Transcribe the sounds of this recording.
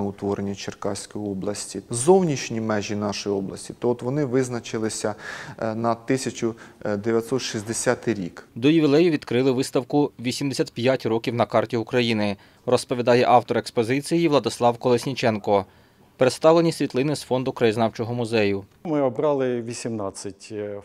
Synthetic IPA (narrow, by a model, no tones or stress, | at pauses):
ʊt̪ʋɔɾenʲːɐt͡ʃerkɑsʲkɔjɔblˠɐsʲtʲizɔwnʲit͡ʃnʲimɛʒʲinɑʃɔjiɔblˠɐ̰sʲtʲi̥t̪ɔːt̪ʋɔnɪʋɪznɐt͡ʃɪlˠɪsʲɐnɐt̪ɪsʲɐt͡ʃʊd̪eʋʲjɐt̪sɔt̪ʃizʲd̪esʲat̪ɪɾʲikd̪ɔjʊʋʲilˠɛjʊʋʲid̪kɾɪlˠɪʋɪst̪ɐwkʊʋʲisʲimd̪esʲat̪̚ʲpʲjatʲrɔkʲiwnɐkɑrtʲiukɾɐjinɪ | rɔspɔʋʲid̪ɑjɛʔɑwt̪ɔɾekspɔzɪt͡sʲijiʋlˠɐd̪ɪslˠɑwkɔlˠesʲnʲit͡ʃɛnkɔ | peɾet̪st̪ɑʋlˠenʲisʲʋʲit̪lˠɪnɪsfɔnd̪ʊkɾɐjiznɑwt͡ʃɔɦɔmʊzɛjʊmɪɔbɾɑlˠɪʋʲisʲimnɑt͡sʲːɐtʲ